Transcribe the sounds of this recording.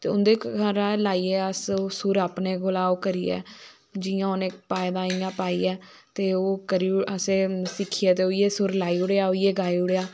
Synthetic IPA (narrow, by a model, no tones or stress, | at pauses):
t̪eːʊnd̪eːəɾaːlaːiːeːəsoːsʊɾaːpneːɡʊlaːoːkəɾḭːɛ̰ː | d͡ʒiːãːʊneːpaːjd̪aːĩjãːpaːiːɛː | t̪eːoːkəɾiəseːsɪkʰːiːɛːt̪eːoːijeːsʊɾlaːiːʊɽeaːoːijeːɡaːiːʊɽeːaː